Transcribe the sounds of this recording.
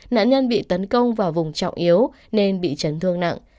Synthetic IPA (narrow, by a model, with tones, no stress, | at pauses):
na̰ː˧˨nɲə˧nɓḭ˧˨t̪ə˨˦nkə˧wŋ͡mvaː˨˩vʊ˨˩ŋ͡mt͡ɕɔ̰˧˨wŋ͡mʔi˨˦əw | ne˧nɓḭ˧˨t͡ɕə˨˦nt̪ʰɨ˧əŋna̰˧˨ŋʔ